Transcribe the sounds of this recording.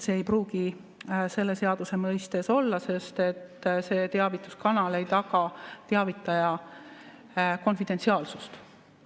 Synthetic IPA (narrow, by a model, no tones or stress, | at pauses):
seːjpruːɡ̥i | se̞lːe̞se̞ɑd̪use̞mɤjst̪e̞so̞lːɑse̞st̪e̞t̪ːse̞ːt̪e̞ɑvit̪ːˑuskɑnɑle̞jt̪ɑɡ̥ɑt̪e̞ɑvit̪ːˑɑjɑ | ko̞nfid̪̥e̞nt̪siɑːlsust̪